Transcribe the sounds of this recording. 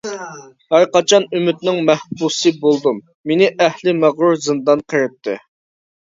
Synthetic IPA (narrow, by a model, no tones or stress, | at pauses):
hæɾqɑt͡ʃʰɑnymɪt̪̚nɪŋmɛhbusɨbolˠd̪umːenɪʔɛhlɪmæʁɾuɾzɨnd̪ɑnqʰəɾɨp̚t̪ʰːɪ̰